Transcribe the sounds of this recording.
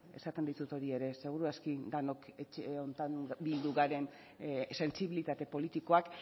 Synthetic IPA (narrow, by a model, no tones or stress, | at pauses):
e̞̰sat̪end̪it̪ut̪o̞ɾie̞ɾe̞se̞ɣ̞uɾuaskid̪ano̞ket͡ʃeont̪anbild̪uɣaɾe̞n | se̞nsiβilit̪at̪e̞po̞lit̪iko̞ak